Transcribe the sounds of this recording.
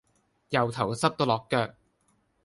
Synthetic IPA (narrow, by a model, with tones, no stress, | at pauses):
jɐ˨wt̪ʰɐ˨˩wsɐ˥p̚t̪o˥wlɔː˨kːœː˧k̚